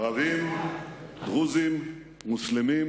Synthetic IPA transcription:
avim | dʁuzimː | uslemim

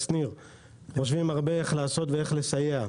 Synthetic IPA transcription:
sniʁ | χo̞ʃvimaʁbeeχlaːso̞t̪veeχle̞sajea

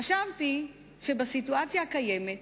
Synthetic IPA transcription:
aʃavti | ʃebasituat͡sjakajemet̪

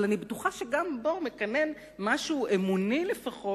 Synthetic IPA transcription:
lanibetuχaʃeɡambo̞mekanen | maʃuːʔemunilefaχo

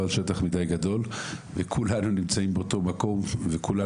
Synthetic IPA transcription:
alʃe̞taχmidajɡad̪o̞lvekʰulanunimt͡saimbeoto̞mako̞mvekula

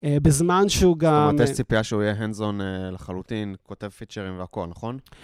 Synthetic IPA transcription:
ebezmanʃeuɡammt̪est͡sipiaʃeuijeɦenzoneleχalut̪inko̞t̪e̞vfit͡ʃeʁimveako̞lnaχo̞n

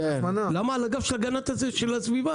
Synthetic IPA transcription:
emanalamaalaɡafʃelaɡanat̪azeʃelasviva

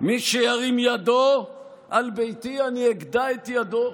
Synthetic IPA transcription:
miʃejaʁimjad̪o | ʔalbejt̪ianieɡd̪aet̪jad̪o

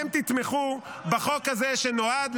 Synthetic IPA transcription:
ɛmt̪it̪meχubaχo̞khazeʃeno̞ad̪l

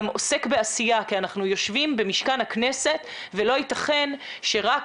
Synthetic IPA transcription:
mo̞se̞kbeasijakianaχnujo̞ʃvimbe̞miʃkanhakne̞se̞t̪ | velo̞it̪aχe̞nʃe̞ʁak

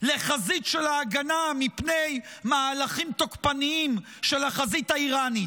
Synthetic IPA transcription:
le̞χazit̪ʃelaːɡanamipne̞jmaːlaχimt̪okpaniim | ʃe̞laχazit̪aiʁanit

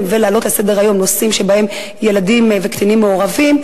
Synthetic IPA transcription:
mvelealo̞tlasede̞ʁajo̞mnosimʃebae̞m | jeladimvekt̪animːeoʁavim

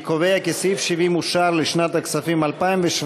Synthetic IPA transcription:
kovejakesifʃivimuʃaɾliʃnat̪aksafimalpaimveʃ

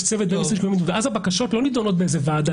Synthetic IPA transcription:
t͡sevet̪̚beisiʃkoimit̪uveazabakaʃo̞t̪lonid̪ono̞t̪̚beezevaːd̪a

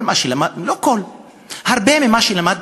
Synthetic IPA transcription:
maʃilamalokol | haʁbememaʃilamad̪̚

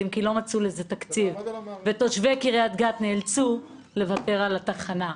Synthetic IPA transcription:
imkilo̞mat͡suleze̞t̪akt͡sivvet̪o̞ʃvekiʁeat̪ɡat̪neːlt͡su | le̞vate̞ʁalat̪aχana

